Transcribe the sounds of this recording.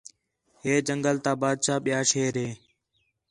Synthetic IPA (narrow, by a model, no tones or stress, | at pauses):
ɦeːd͡ʒəŋɡəlt̪aːbaːd̪̚ʃaːɓɪjaːʃeːɾeː